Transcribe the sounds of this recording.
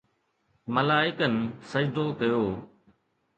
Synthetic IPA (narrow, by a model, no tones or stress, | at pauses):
məlaːɪkənɪsəd͡ʒd̪oːkɐjoː